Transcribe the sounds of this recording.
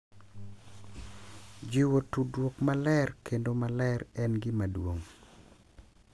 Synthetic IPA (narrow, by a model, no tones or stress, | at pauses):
d͡ʒiwotudwokmalɛrkendomalɛrɛnɡɪmadwoŋ